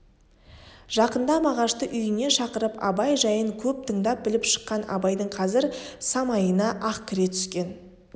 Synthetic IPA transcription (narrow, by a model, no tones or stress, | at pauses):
ʒ̥ɑqənd̪ɑmɑʁɑʃt̪əʔʏjɪne̞nʃɑqəɾəpɑ̰bɑjʒɑjəɴkʲʰɵp̚t̪ʰəɴd̪ɑp̚bɪlɪpʃə̥qːɑnɑ̰bɑjd̪əɴqʰɑzɪɾsɑmɑjənɑʔɑqkʲʰɪɾe̞t̪ʰʏ̥skʲe̞n